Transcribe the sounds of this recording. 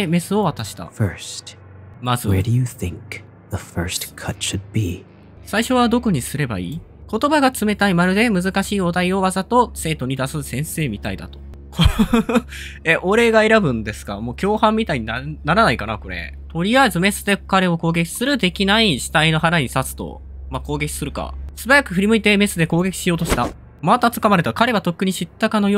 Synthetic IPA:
eme̞sɨo̞β̞at̪aɕi̥t̪a̰fɜ˞st | mazɨɛɾɨjɨθɪ̰̃ŋk̚ | ðəfɜ̰˞stkʰʌtʃɨd̚bi | saiɕo̞βad̪o̞koɲ̟isɨɾe̞ba̰ḭːko̞t̪o̞baɡat͡sɨme̞t̪aimaɾɯ̟d̪e̞mɯ̟zɨkaɕiːo̞d̪aio̞βazat̪o̞se̞ːt̪oɲ̟id̪asɨsẽ̞ɰ̃se̞ːmʲit̪aḭd̪a̰t̪o̞̥ | ko | eʔo̞ɾe̞ɡae̞ɾabɯ̟̃nd̪e̞sɨ̥ka̰mo̞ːkʲo̞ːhãmːʲit̪aiɲ̟inanaɾanaikana̰ko̞ɾe̞̰ | t̪o̞ɾʲiazɨme̞sɨ̥d̪e̞kaɾe̞o̞ko̞ːɡe̞kʲi̥sɨɾɯ̟d̪e̞kʲinaiɕi̥t̪aino̞ɦaɾaɲ̟isat͡sɨ̥t̪o̞̰ | mako̞ːɡe̞kʲi̥sɨɾɯ̟ka̰sɨbajakɯ̟ɸɯ̟ɾʲimɯ̟it̪e̞me̞sɨd̪e̞ko̞ːɡe̞kʲi̥ɕijoːt̪oɕi̥t̪a | mat̪at͡sɨ̥kamaɾe̞t̪akaɾe̞βat̪o̞kːɯ̟ɲ̟iɕit̪ːakano̞jo

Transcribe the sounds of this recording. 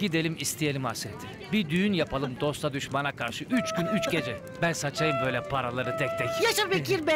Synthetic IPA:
ɟid̪e̞lʲimist̪ʰije̞lʲimasɾet̪ʰi | bid̪yjynjapʰalˠɯmd̪o̞st̪ʰad̪yʃmanakʰaɾʃɯʔyt͡ʃɡ̥ynyt͡ʃɟe̞d͡ʒɛ | bænsat͡ʃʰajɯmbø̞jlʲɛpʰaɾalˠaɾɯt̪ʰɛk̚t̪ʰɛkjaʃabikʲiɾbɛ

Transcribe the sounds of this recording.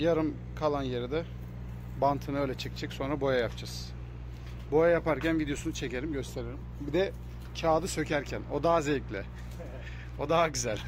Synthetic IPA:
jaɾɯm | kʰalˠanjeɾid̪ɛ | bant̪ʰɯnɯølʲɛt͡ʃʰɛct͡ʃʰɛcso̞nɾabo̞jajapd͡ʒaz̥ | bo̞jajapaɾcænvid̪ejo̞sunut͡ʃʰe̞ce̞ɾimɟø̞st̪ʰe̞ɾeɾimbid̪ɛ | cʰaːd̪ˠɯsø̞cæɾcʰæno̞d̪aazejclʲɛ̰ | o̞d̪aɦaɟyzælʲ

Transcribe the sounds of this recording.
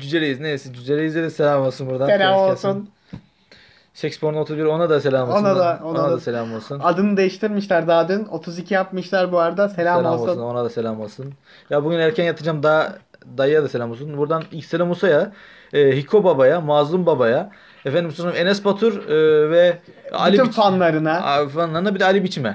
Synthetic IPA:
d͡ʒyd͡ʒeɾʲejiznejsɛd͡ʒyd͡ʒeɾʲejized̪ɛselʲamolˠsɯnbuɾd̪anelʲamolˠsun | ʃɛcspoɾnot̪ʰuzbiɾo̞nad̪ase̞lʲaːmoonad̪aoonad̪aselʲamolˠsunad̪ɯnɯd̪ejiʃt̪ʰiɾmiʃlʲaɾd̪aːd̪ɯno̞t̪ʰuzicʰijapmɯʃlʲˠaɾbuaɾd̪aselʲalmamounonad̪ase̞lʲamolˠsɯn | jabuɟynæɾcʰænjat̪ʰɯd͡ʒamd̪a | d̪ajjad̪aselʲamosunbuɾd̪anilcselʲamusaja | ɯːɦikʰo̞babajamazˠumbabaja | efɛænd̪imsoɾnaenɛspʰat̪ʰuɾvɛba̰ilʲimanlˠaɾɯnafanlˠaɾɯnabid̪ɛalʲibit͡ʃʰimɛ

